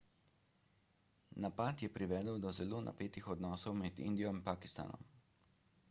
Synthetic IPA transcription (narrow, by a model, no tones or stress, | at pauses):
napat̪jɛpɾiʋɛːd̪əwd̪ɔzɛloːna̰peːt̪ixɔd̪nɔːsɔwmɛd̪ḭnd̪ijɔinpaːki̥st̪a̰ːnɔ̰m